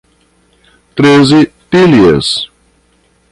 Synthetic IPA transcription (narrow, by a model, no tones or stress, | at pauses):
t̪ɾezɪpiliḛs